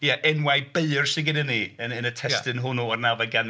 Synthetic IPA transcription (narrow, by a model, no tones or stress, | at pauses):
jaʔɛnwajbeɨrsɪɡɪdəniənənətʰɛstɨnɦʊnɔɔrnavaɡan